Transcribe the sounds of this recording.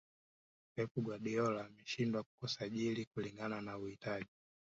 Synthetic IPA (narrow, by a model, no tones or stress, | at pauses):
pɛpuɡwaɗiɔlamɛʃindwaku̥kusaʄilikuliŋɡananauhitaʄi